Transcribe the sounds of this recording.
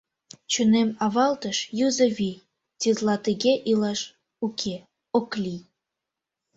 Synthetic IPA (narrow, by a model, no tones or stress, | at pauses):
t͡ɕunemɑβɑlt̪əʃjuzəβi | t̪ʲit̪lɑt̪əɣeʔilɑʃ | ukʰe | oklʲi